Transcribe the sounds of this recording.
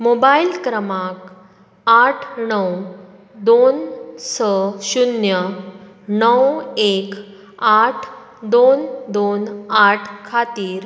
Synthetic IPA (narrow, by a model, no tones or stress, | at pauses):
mobailkɾəmak | aʈʰɳəw | d̪onsəɕunjə | nəwek | aʈʰ | d̪ond̪onaʈʰkʰat̪iːɾ